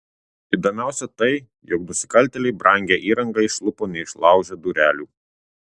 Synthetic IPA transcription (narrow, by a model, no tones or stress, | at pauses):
ɪd̪oːmʲæˑʊsʲɛt̪ɐɪ | jɔknʊsʲɪ̥kɐlʲt̪ʲɛlʲɛɪbɾʔɐˑŋʲɡʲeʔiːɾɐŋɡɐɪʃlˠʊpoːnʲɛɪʃlˠɑˑʊʒʲɛd̪uɾʲæːlʲuː